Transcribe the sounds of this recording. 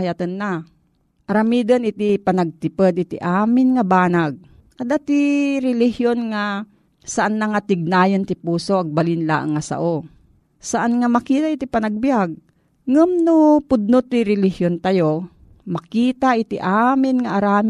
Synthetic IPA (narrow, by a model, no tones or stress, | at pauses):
jat̪ənːa | ʔɐɾɐmid̪ɐnʔɪt̪ipɐnɐɡ̚t̪ɪpəd̪ʔɪt̪ḭʔaːmɪnŋabaːnaɡ̚ | ɐd̪at̪iɾɪlɪhjonŋa | sɐʔanːaŋat̪ɪɡ̚naːjɐnt̪ɪpuːsoʔaɡ̚balɪnla̰ʔaŋːasa̰ʔo | sɐʔanŋamɐkiːt̪aʔɪt̪ipɐnaɡ̚bjaɡ̚ | ŋəmnʊpʊd̪̚not̪ːɪɾɛlɪhjont̪ajo | mɐkiːt̪aʔɪt̪ḭʔaːmɪnŋaʔaɾaːm